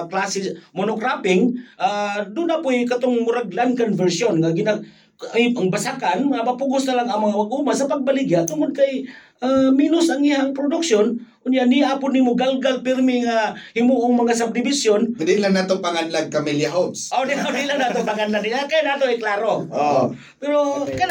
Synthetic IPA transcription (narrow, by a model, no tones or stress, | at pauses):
klasɪmonokɾapɪŋʔad̪ʊnapʊjkat̪ʊŋmʊɾaɡlankonvɛɾsjonŋaɡɪna | ajaŋbasakanŋamapuɡʊsnɐlaŋɐŋmɐŋaʔaɡuːmasɐpaɡ̚balɪɡjaʔt̪ʊŋʊd̪̚kajʔaminʊsʔaŋihaŋpɾʊd̪ʊkʃonkʊnjanɪjʔapʊnːimʊɡalɡalpɪɾmɪŋahɪmuʔʊŋmɐŋasab̚d̪ɪbɪsjondɪlaŋnat̪opaŋanlaɡ̚kamiljaɦopsʔodiodilaŋnaːt̪oŋpaŋanlaɪakajanat̪oaklaɾoo | pɛɾoka